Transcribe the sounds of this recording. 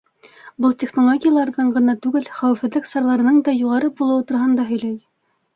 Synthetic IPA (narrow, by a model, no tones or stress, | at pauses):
bɤlˠtʲeχnolˠoɡʲɪjalˠɑɾðɤɴɢɤ̆nɑt̪ʉɡɘlχæwɘ̆fhɘ̆ðlɘksɑɾlˠɑɾɤ̆nɤɴd̪ɑjuʁɑɾɤbulˠɤ̆wɤt̪ŭɾɑɦɤnd̪ɑɦɵ̆jlæj